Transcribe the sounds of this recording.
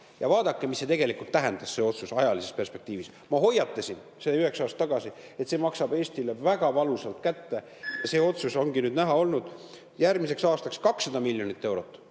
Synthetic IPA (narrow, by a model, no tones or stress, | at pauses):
jɑvɑːd̪̥ɑkːemisːe̞t̪eɡe̞likult̪ːæɦend̪̥ɑsse̞o̞t̪susɑjɑlise̞sperspe̞k̚t̪iːvis | mɑɦo̞jːɑt̪ːesʲin | sed̪yhe̞ksɑːst̪ːɑɡ̥ɑsie̞t̪se̞ːmɑksɑbeːsʲt̪ilevæɡ̥ɑvɑlusɑlt̪kæt̪ːe̞ | jɑse̞ːo̞t̪suso̞ŋɡinyːd̪næɦɑo̞lnud̪̥ | jærmise̞ksɑːst̪ɑkskɑksːɑd̪ɑmilʲjo̞nit̪ːe̞wɾo̞t̪ːˑ